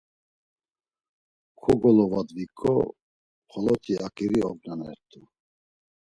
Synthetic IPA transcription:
kʰɔɡɔlɔvad̪vikʼɔ̰ | χʰɔlɔt̪ʰiʔakʼiɾiɔɡ̚nanɛ̰ɾt̪ʰʼu

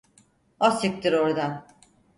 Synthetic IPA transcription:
asɯk̚t̪ʰiɾoɾd̪an

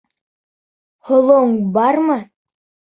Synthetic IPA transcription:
hŏlˠoɴbɑɾmɤ

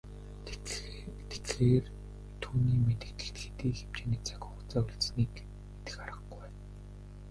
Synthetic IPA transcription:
t̪et͡s̪ɮeːr | t̪ʰuːniːmet̪ɘ̆kt̪ɘ̆ɬt̪xet̪iːxem̥t͡ɕeːnĭːkt͡sḁkʲʊχt͡saːuɮt͡sniːk | met̪ɘ̆xaɾə̆χɡuj

